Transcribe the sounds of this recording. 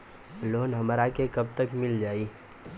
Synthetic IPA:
loːnɦɐmɾakekɐb̚t̪əkmɪld͡ʒaːiː

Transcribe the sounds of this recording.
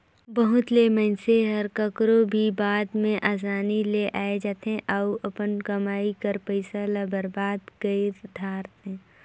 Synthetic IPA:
bəɦʊt̪leːmə̃nseɦɐɾkəkɾobʱibaːd̪mẽʔaːs̬aːnileʔaːed͡ʒaːt̪ɦẽʔaʊɐpənkɐmaːikɐɾpəɪsalabəɾbaːd̪ɡəiɾd̪ʱaːɾt̪ɦɛ̃ː

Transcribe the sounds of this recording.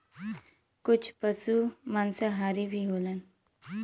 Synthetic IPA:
kʊt͡ʃʰpəsumənsəɦaːɾibʱiɦoːlən

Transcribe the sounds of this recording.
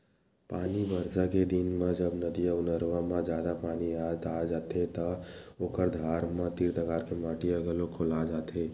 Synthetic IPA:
paːnibəɾsaked̪ɪnmãd͡ʒəbnəd̪ijaʊnəɾʋãmãd͡ʒjaːd̪apaːniad̪ad͡ʒaːt̪ʰet̪əoːkəɾd̪ʱaːɾmãt̪iɾt̪əkaːɾkemaːʈiəɡəlokʰolad͡ʒaːt̪e

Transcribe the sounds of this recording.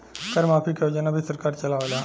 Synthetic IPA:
kəɾmaːpʰikod͡ʒənabʱisəɾkaːɾt͡ʃɐlaːʋela

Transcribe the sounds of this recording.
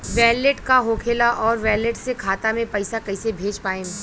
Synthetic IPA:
ʋɛːleʈkaɦoːkʰeːlaʔɔːɾʋɛːleʈsekʰaːt̪amẽpɐɪsakɐɪsebʱeːd͡ʒpaːẽː

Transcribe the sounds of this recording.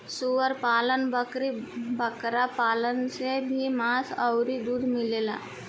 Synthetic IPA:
suʋəɾpaːlənbəkɾibəkɾapaːlənsebʱimaːsəʊɾid̪uːd̪mɪleːla̰ː

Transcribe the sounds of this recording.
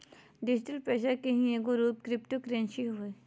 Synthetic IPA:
ɖɪd͡ʒɪʈəlpɾeːʃəɾkeɦĩeɡoɾuːp̚kɾɪpʈokɾẽːnʃiɦoe

